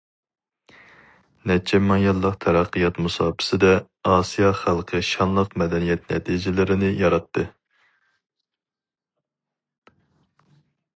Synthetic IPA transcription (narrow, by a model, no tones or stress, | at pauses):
nɛt͡ʃʰɛmɑŋjɑlˠːəqt̪ʰɛɾæqʰːɨjɑt̪musɑːpʰɨ̥sɨd̪ɛ | ɑːsijɑχælˠqʰəʃɑnlˠəqmɛd̪ɛnijɛt̪̚nɛ̰t̪ʰid͡ʒɪlɪɾɪnɪjɑɾɑt̪ːɨ